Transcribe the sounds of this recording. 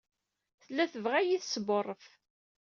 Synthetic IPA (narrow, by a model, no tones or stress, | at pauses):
θəlːæθəvʁæjiθsbərˤːəf